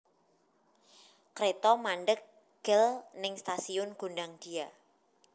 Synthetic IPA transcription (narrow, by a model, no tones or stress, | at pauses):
kɾet̪ɔmanɖək̚ | ɡ̥əlnɪŋst̪asiʊnɡ̥o̤ndaŋd̪̥ia